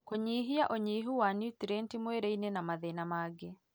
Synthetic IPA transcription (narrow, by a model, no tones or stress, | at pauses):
koɲiːɦiaʔoɲiːɦuwanjutiɾɛntimweɾeinenamaðenamaːɡe